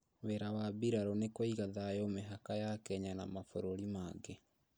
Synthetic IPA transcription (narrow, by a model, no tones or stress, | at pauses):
wɛɾawabiɾaɾɔnekɔiɣaðajɔmeɦakajakɛɲana̰mafoɾoɾimaɡe